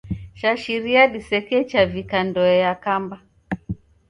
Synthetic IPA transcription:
ʃaʃiɾiaɗisɛkɛt͡ʃavikandɔɛjakamba

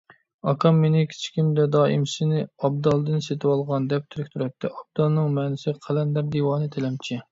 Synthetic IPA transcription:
ɑkʰɑmːenɪkʲʰi̥t͡ʃʰi̥kʲʰimd̪ɛd̪ɑːimsɪnɪɑb̚d̪ɑlˠd̪ɨnset̪ʰɪwɑlˠʁɑnd̪ɛp̚t̪ʰyɾykʲt̪ʰuɾɛt̪ʰːɪʔɑb̚d̪̥ɑlˠnɨŋmɛːnɪsɪqʰælɛnd̪æɾd̪iwɑːnɨt̪ʰelɛmt͡ʃʰi

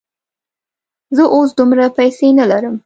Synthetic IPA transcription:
zəʔos̬d̪umɾapajsenalaɾəm

